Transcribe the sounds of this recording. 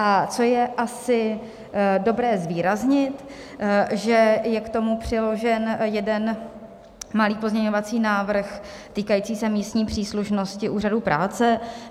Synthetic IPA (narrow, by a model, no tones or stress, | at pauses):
ʔat͡so̞jɛʔasɪ | do̞bɾɛːzviːɾazɲɪt̪ | ʒɛjɛkt̪o̞mupr̝̥ɪlo̞ʒɛnjɛdɛn | maliːpo̞zɲɛɲo̞vat͡siːnaːvr̩x | t̪iːkajiːt͡siːsɛmiːst̪ɲiːpr̝̥iːsluʃno̞scɪʔuːr̝adupɾʔaːt͡sɛ